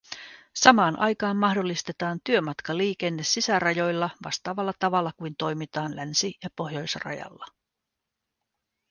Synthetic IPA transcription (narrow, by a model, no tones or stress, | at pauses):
sɑmɑːnʔɑ̰jkɑːmːɑhdo̞lːist̪e̞t̪ɑːnt̪yø̞mɑt̪kɑliːk̟e̞nːe̞sːisærɑjo̞jlːɑʋɑ̰st̪ɑːʋɑlːɑt̪ɑʋɑlːɑkujnt̪o̞jmit̪ɑːnlænsijɑpo̞ɦjo̞jsrɑ̰jɑ̰lːɑ